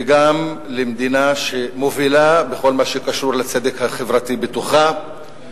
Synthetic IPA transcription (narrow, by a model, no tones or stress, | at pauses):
ɡamlemd̪inaʃemovilabeχo̞lmaʃekaʃuʁlat͡sed̪ekhaχe̞vʁat̪ibet̪uχa